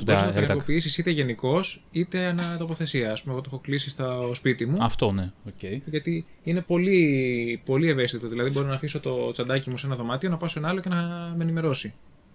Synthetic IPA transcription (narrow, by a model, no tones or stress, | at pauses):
boɾiznɐepopiisisit̪eʝe̞niko̞sit̪e̞ɐnɐt̪o̞po̞θe̞siɐːspumeɣot̪o̞xo̞klisist̪ospit̪imuɐft̪oneoceʝɐt̪i | ine̞po̞lipo̞lie̞ve̞st̪it̪o̞ðilɐðibo̞ɾonɐfiso̞t̪o̞t͡sɐnd̪ɐcimuse̞nɐðo̞mɐt̪io̞nɐpɐsoenɐɐloce̞nɐme̞nime̞ɾo̞si